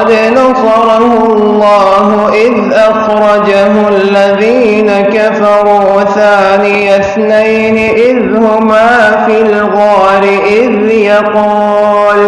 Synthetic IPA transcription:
d̪ | nasˤɑɾˤɑhʊ | lˤːɑː | ɦʊʔɪðʔaxɾˤɑd͡ʒaɦʊalːaðiː | nakafɑɾˤuː | θaːnɪjaθnajnɪʔɪð | hʊmaːfil | ɣaːɾɪʔɪð | jɑquː | l

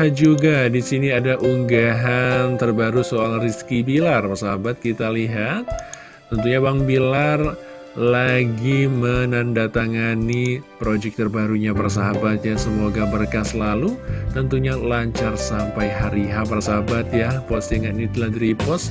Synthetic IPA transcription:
ad͡ʒuɡadisiniadaʔuŋɡaɦant̪ərbaɾusoalriskibilarpərsaɦabat̪̚kit̪aliɦat̪̚ː | ənt̪uɲabaŋbilar | laɡimənandat̪aŋanipɾod͡ʒɛk̚t̪ərbaɾuɲapars̬aɦabat̪̚jasəmoɡabərkaslalut̪ənt̪uɲalaɲt͡ʃarsampajɦaɾiɦapaɾsaɦabat̪̚japɔsaŋɡanit̪ladɾipɔs

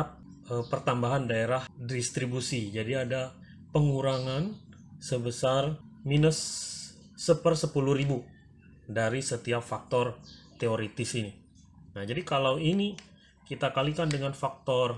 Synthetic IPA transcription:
at̚ | əpərt̪ambaɦandaeɾahdist̪ɾibusid͡ʒadiada | pəŋuɾaŋan | səbəsarminəsː | əpərsəpuluhɾibu | daɾisət̪iapfak̚t̪ɔrt̪eoɾet̪ɪsini | nahd͡ʒadikalawini | kit̪akalikandəŋanfak̚t̪ɔr

